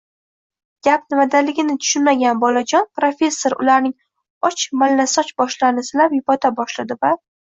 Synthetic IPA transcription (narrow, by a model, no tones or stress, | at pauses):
ɡʲap̚nɪmad̪alɪɡʲɪnɪt̪ʰʊ̥ʃʊnmaɡʲanbɒlad͡ʒɒnpɾofʲe̞sːoɾʊ̰laɾnɪŋ | ɒt͡ʃmalːasɒt͡ʃbɒʃlanɪsɪlapjʊpɒt̪ʰabɒʃlad̪ɪva